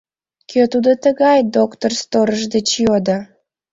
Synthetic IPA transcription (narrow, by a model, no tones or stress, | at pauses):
køt̪ud̪ot̪əɣɑjd̪okt̪orst̪oɾəʒd̪et͡ɕjod̪ə